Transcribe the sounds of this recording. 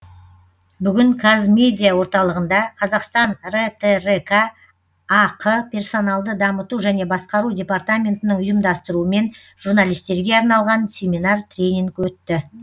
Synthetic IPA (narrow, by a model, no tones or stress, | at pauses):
bʏɡʲɪŋkʰazmʲe̞d̪ʲijawo̞ɾt̪ɑlˠəʁənd̪ɑqʰɑzɑqst̪ɑnret̪ʰerekʰaː | qʰəpʲʰe̞rso̞nɑlˠd̪əd̪ɑmət̪uʒæne̞bɑsqɑɾudʲe̞part̪amʲe̞nt̪ɪnəɴʊjəmd̪ɑst̪əɾuəme̞n | ʒ̥uɾnalijst̪e̞ɾɡʲe̞ɑɾnɑlˠʁɑnsʲe̞mʲinɑrt̪ʰrʲe̞jnʲiŋkwɵt̪ːɪ